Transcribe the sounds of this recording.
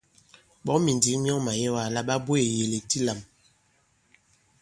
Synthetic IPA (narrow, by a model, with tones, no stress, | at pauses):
ɓɔ˨˦mi˨ndi˨˦ŋmjɔ˦ma˨jɛ˦wa˨la˦ɓa˦bwe˨je˨le˨ti˦la˨m